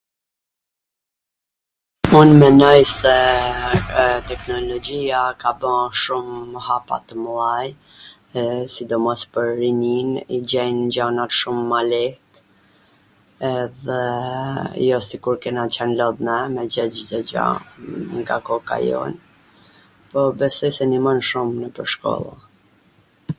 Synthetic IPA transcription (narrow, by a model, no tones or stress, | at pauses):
unmɛnɔjsɛ | t̪ɛknɔlɔd͡ʑiakabəʃumhapa̰t̪əmlˠaj | sid̪ɔmɔspəɾːininid͡ʑɛjnd͡ʑanat̪ʃumːalɛht̪ | ɛðɛ | jɔsikuɾkɛnat͡ɕanlɔðnɛmɛd͡ʑɛd͡ʑd̪ɛd͡ʑa̰ŋɡakɔka̰jɔ̰n | pɔbɛsɔjsɛnimənʃumnəpəɾʃkɔ̰lˠa̰